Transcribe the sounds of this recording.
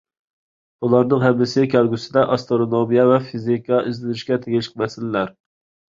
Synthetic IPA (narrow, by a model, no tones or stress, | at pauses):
ulˠɑɾnɨŋɦɛmːɪsɪkʲʰɛlˠɡʲysɪd̪ɛʔɑst̪ɾoɾonomijɛvɛfizikʰɑʔizlɪnɪʃkʲɛt̪ʰeɡʲɪʃq̚mɛsɪlɪlæɾ